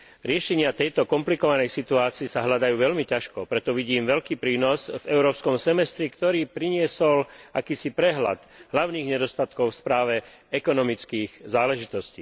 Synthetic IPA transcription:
ɾɪɛʃɛɲɪat̪ɛjt̪ɔkɔmplikɔʋanɛjsit̪uaːt͡siːsaɦʎad̪ajuːʋɛʎmicaʃkɔpɾɛt̪ɔʋiɟiːmʋɛʎkiːpɾiːnɔzvɛʊɾɔːpskɔmsɛmɛst̪ɾikt̪ɔɾiːpɾiɲɪɛsɔlʔakiːsipɾɛɦla̰d̪ɦlaʊniːɣɲɛd̪ɔst̪at̪kɔʊfspɾaːʋɛ | ɛkɔnɔmit͡skiːɣzaːlɛʒit̪ɔsciː

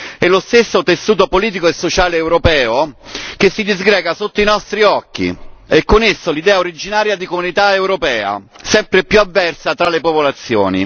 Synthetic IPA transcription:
ɛlːost̪esːot̪esːuːt̪opoliːt̪̬ikoesːot͡ʃaːleːwɾopɛːok̟esːid̪izɡɾɛːɡasot̪ːoinɔst̪ɾiɔkːḭɛkːonesːolid̪ɛːaoɾid͡ʒinaːɾjad̪ikomunit̪aewɾopɛːa̰ | sɛmpɾepjuavːɛrsat̪ɾalepopolat̪sːjo̰ːnḭ

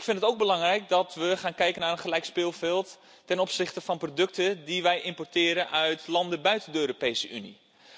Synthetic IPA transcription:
ɪkfɪnətowɡ̚bəlɑŋrɛjk̚dɔtʋəχaːnkɛjkənaːrənχəlɛjkspɪlˠfɪlˠtː | ɛnɔpsɪχtəfɔnprodɵk̚tədiʋɛjʔɪmportɪːɾənʔœɥtlɑndəbœɥtəndəøːɾopejsəynḭ

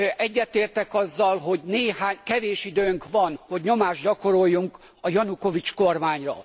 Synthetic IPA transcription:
ɛɟːɛt̪eːrt̪ɛkɒzːɒlɦo̞ɟneːhaːɲkɛveːʃid̪øːŋkʋɒnho̞ɟɲo̞maːʒɟɒko̞ɾo̞jːuŋk | ɒjɒnuko̞vit͡ʃko̞rmaːɲrɒ̰

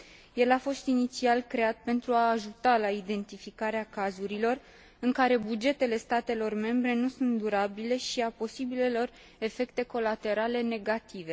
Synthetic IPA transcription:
je̞lafo̞st̪init̪sialkɾe̞at̪̚pe̞nt̪ɾuaːʒut̪alaid̪e̞nt̪ifikaɾeakazuɾilo̞r | ɨŋkaɾe̞bud͡ʒe̞t̪e̞le̞st̪at̪e̞lo̞rme̞mbɾe̞nusunt̪̚d̪uɾabile̞ʃiapo̞sibile̞lo̞r | e̞fe̞kt̪e̞ko̞lat̪e̞ɾale̞ne̞ɡat̪ive̞

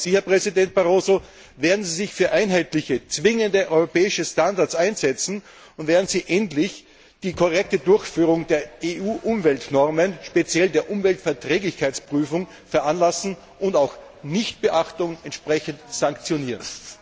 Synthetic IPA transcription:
ziːhɐpʁ̥ɛzidɛnt̚b̥aʁoːzo | veːɐdn̩ziːzɪçfyːɐʔaɪnɦaɪtlɪçət͡sv̥ɪŋəndəʔɔʏʁopɛːɪʃəstandaɐt͡saɪnzɛt͡sn̩ | ʊntveːɐdn̩z̥iːʔɛntlɪç | d̥iːkʰoʁɛk̚tədʊɐçfyːʁʊŋdeːɐeʔuːʔʊmvɛltnɔʁmənʃpet͡sjɛldeːɐʔʊmvɛltfɛɐtʁɛːɡlɪçkʰaɪt͡spʁ̥yːfʊŋ | fɛɐʔanlasn̩ | ʊntaʊx | nɪçt̚b̥əʔaxtʊŋɛntʃpʁɛçəntsaŋkt͡sjoniːʁə̰n

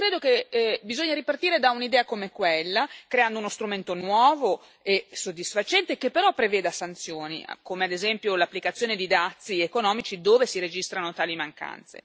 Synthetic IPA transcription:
kɾeːd̪okebizoɲːaɾipart̪iːɾed̪aunid̪ɛːakomekwelːakɾeand̪ounost̪ɾument̪onwɔːvo | esod̪ːisfat͡ʃɛnt̪ekepːeɾɔpːɾevɛːd̪asant̪sjoːnḭkomead̪ezɛmpjolapːlikat̪sːjoːned̪id̪at̪sːiekonɔːmit͡ʃid̪oːvesiɾed͡ʒist̪ɾanot̪aːlimaŋka̰nt̪sḛ

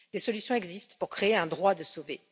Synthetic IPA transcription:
d̪̥esɔlysjɔ̃ɛɡzist̪puʁkχeːɛ̃d̪ʁwad̪əsove

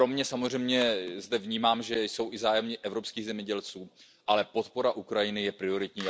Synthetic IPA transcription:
ɾo̞mɲɛsamor̝ɛjmɲɛzdɛvɲiːmaːmʒɛjso̞wʔɪzaːjɛmɲɪʔɛvɾo̞pskiːɣzɛmɲɛɟɛlt͡suː | ʔalɛpo̞t̪po̞ɾaʔukɾajɪnɪjɛpɾɪo̞ɾɪt̪ɲiː

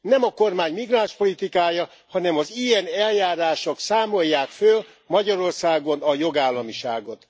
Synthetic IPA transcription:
nɛmɒko̞rmaːɲmiɡraːnʃpo̞lit̪ikaːjɒ | hɒnɛmɒzijɛnɛljaːɾaːʃoksaːmo̞jːaːkføl | mɒɟɒɾo̞rsaːɡonɒjo̞ɡaːlːɒmiʃa̰ːɡo̞t̪

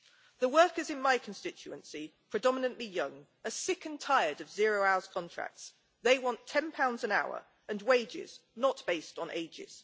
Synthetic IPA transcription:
ðəwɜˑkəzɪ̃nmaɪkʰə̃nstɪt͡ʃʉə̃nsipʰɹ̥ɨdɒmɪnə̃nʔlijʌ̃ŋ | əsɪkə̃ntʰaɪədəvzɪəɹəʊaʊəz̥kʰɒ̃ntʰɹ̥a̰k̚ts | ðeɪwɒ̃ntʰɛ̃npʰãʊ̃ndzə̃naʊə̰ɹ | ə̃nweɪd͡ʒɪ̰z̥nəʔb̥eɪstn̩ḛɪd͡ʒɪ̰z̥

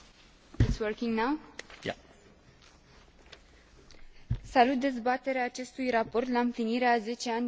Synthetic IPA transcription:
ɪtswəɾkĩŋnawja̰ | salut̪̚d̪e̞zbat̪e̞ɾeaːt͡ʃe̞st̪ujrapo̞rt̪laɨmpliniɾeaze̞t͡ʃe̞anʲ

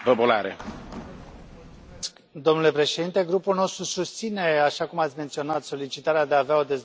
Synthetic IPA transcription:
vəbola̰ɾḛ | d̪o̞mnule̞pɾe̞ʃed̪int̪e̞ɡɾupulno̞st̪ɾusust̪sine̞aʃakumat̪sʲment̪sio̞nat̪so̞lit͡ʃit̪aɾead̪eaːveao̞d̪e̞z

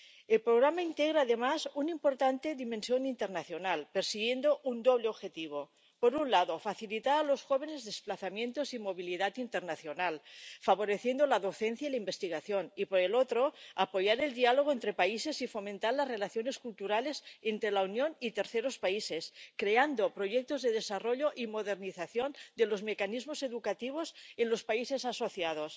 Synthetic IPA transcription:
elpɾoɣ̞ɾamaint̪eɣ̞ɾaːðemasunimpo̞ɾt̪ant̪e̞ðimẽnsjo̞nint̪eɾnaθjo̞nalpeɾsiɣje̞nd̪oʔund̪oβ̞leoβxe̞t̪iβ̞o̞ | poɾunlaðofaθilit̪aɾalo̞sxoβ̞e̞nezðesplaθamje̞nt̪osimo̞β̞iliðat̪int̪eɾnaθjonalfaβo̞ɾeθje̞nd̪olaðo̞θenθjailaimbe̞st̪iɣaθjo̞nipoɾelot̪ɾoapo̞ʝaɾe̞ld̪ialoɣ̞oent̪ɾepaise̞sifo̞mẽnt̪aɾlazrelaθjone̞skult̪uɾale̞sent̪ɾelaunjonit̪e̞ɾθeɾospaiseskɾeand̪opɾoʝek̚t̪ozðeð̞esaroʎoʔimoðeɾniθaθjond̪elo̞zmekanizmose̞ðukat̪iβ̞osenlospaisesaso̞θjað̞os

